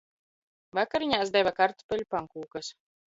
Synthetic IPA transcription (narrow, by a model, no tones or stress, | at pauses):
vakaɾiɲaːsd̪ɛvakaɾt̪pʲɛʎʲupaŋkuːkas